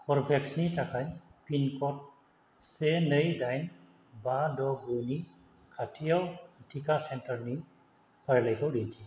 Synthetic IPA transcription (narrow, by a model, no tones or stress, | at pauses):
kʰɔɹbʱɛksnitʰakʰajpinkɔt̚ | senəjdajn | badɔbujni | kʰatʰijawtʰikasɛntaɹni | paɹlajkɔwdintʰi